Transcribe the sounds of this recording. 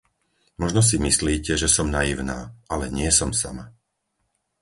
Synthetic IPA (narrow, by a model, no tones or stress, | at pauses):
mɔʒnɔs̬imisliːcɛʒɛsɔmnajiʊna̰ːʔalɛɲɪɛsɔmsa̰ma